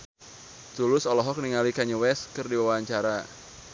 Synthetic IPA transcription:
t̪ulʊsɔlɔɦɔk̚niŋalikaɲuwɛskɨrdiwawaɲt͡ʃaɾa

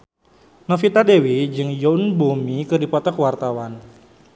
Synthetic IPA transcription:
nafit̪adewid͡ʒɨŋjɔnbumikɨdipɔt̪akwart̪awan

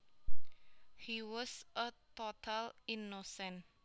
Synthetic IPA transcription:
hiwɔsʔət̪ot̪ʰalinosɛn

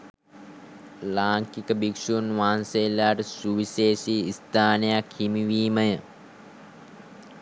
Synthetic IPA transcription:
laːŋkikəbikʂunʋaːnselːaːʈəsuʋiseːsiːst̪ʰaːnejakhimiʋiːməjə

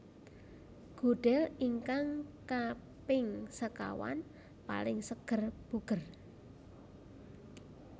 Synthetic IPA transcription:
ɡ̥o̤ɖ̥ɛliŋkaŋka | pɪŋsəka̰wa̰n | pa̰lɪŋsəɡ̥ərb̥uɡ̥ə̤r

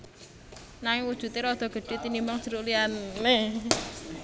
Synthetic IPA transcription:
naŋɪŋwud̥ʒ̥ṳt̪eɾɔd̪̥ɔ̤ɡ̥ə̤ɖ̥e̤t̪inimbɔŋd͡ʒ̥əɾuʔlianːe

